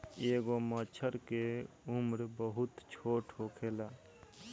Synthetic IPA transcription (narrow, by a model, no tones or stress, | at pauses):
eːɡomət͡ʃʰəɾke | umɾbəɦʊt̪t͡ʃʰoːʈhokʰeːlaː